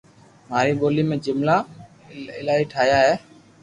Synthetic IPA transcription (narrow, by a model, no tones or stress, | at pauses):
maːɾiːɡoːliːmẽːd͡ʒɪmla | ɪlaːiːʈʰaːjaːɦɛː